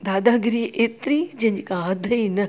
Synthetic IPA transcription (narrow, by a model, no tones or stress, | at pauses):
d̪aːd̪aɡɾiːʔeːt̪ɾid͡ʑɐ̃ɦɲd͡ʑikãɦɐd̪ʱɐinə